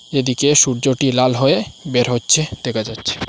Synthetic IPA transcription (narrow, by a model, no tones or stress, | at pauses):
ed̪ikeʃuɾd͡ʑoʈilalɦoebeɾɦotːɕʰed̪̥ekʰad͡ʑatːɕʰe̥